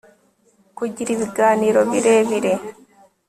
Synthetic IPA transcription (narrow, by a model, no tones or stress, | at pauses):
kuɟiɾiβiɡaːniːɾo̞βiɾeβiɾe